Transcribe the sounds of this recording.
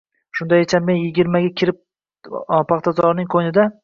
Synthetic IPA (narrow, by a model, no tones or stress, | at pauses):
ʃʊnd̪ajet͡ʃʰamːenjɪɡʲɪɾmaɡʲakʲʰɪɾɪp̚ | pʰɑχt̪ʰazɒɾnɪŋqʰonɪd̪a